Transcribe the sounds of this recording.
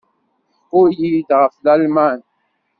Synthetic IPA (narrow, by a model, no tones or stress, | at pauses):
qujid̪ʁaflalman